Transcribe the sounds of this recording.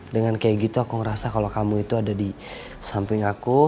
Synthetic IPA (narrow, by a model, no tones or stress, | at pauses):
dəŋankajaɡit̪uakuŋəɾasakalokamuit̪uadadi | sampɪŋaku